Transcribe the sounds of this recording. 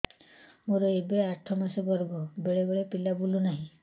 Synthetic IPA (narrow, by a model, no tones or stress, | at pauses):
moɾɔebeeaʈʰːɔmasɔɡɔɾɡɔbeɭebeɭepilabulunaɦĩ